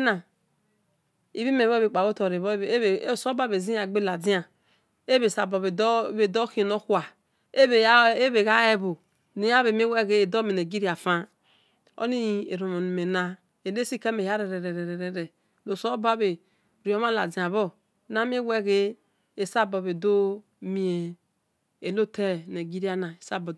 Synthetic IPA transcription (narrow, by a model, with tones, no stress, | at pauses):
na˨ | ḭ˨βi˦me˨˦o˦be˨k͡pa˨ɣo˦to˨ɾe˨βso˦ba˦˨βe˨zi˦a˨ɡ͡be˦la˨di˦a˨ | e˦βe˨sa˨bo˨βe˨˦βe˨do˦ki˦˨no˦kwa˨ | e˦βe˨˦e˦βe˨ɣa˦e˦bo˨ | ni˨˦ja˦βe˨m˦e˦we˦ɣe˦e˨do˦me˨ne˨ɡi˦ɾi˦˨a˨fa˦ | o̰˦ni˦˨ḛ˨ɾo˨mo˨ni˨me˨na˦ | e˨le˦si˦ke˦me˨ja˦ɾe˨ɾe˨ɾe˨ɾe˨ɾe˨ɾe˨ɾe˨ | lo˨so˦ba˦be˨ | ɾi˨o˦ma˦la˨d͡zi˨a˨βo˦ | na˦m˦e˦we˦ɣe˦ | e˨sa˦bo˨βe˨do˦ | mi˨e˨ | e˨lo˦te˦˨na˨ɡi˦ɾi˦a˦na˨e˨sa˦bo˨